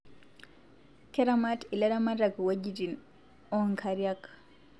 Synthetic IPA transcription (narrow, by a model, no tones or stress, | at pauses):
kɛɾamatilaɾamaɾakwaɟitin | ɔŋkʰaɾjak